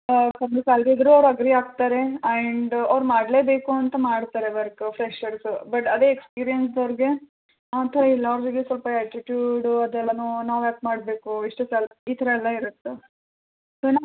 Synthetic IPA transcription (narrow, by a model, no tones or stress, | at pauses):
kɐnd̪usaːlɡeid̪ɾuɐʋɾɐɡɾiaːɡ̚t̪aːɾe̞ɐɳɖɐʋɾmaːɖle̞ːbeːkuɐnt̪ɐmaːɽt̪aːɾeʋɐɾkpʰɾeʂɐɾsbɐʈɐd̪eekspiːɾijɐnsd̪ɐʋɾɡe̞ | aːt̪ʰɐɾɐilːɐɐʋɾiɡesʋɐlpɐɛːʈiʈjuːɖɐd̪ɛlːɐnunaːʋaːp̚maːɽbe̞ːkuiʂʈɐsaliːt̪ʰɐɾɐɛlːɐiɾut̪ːe | sonːa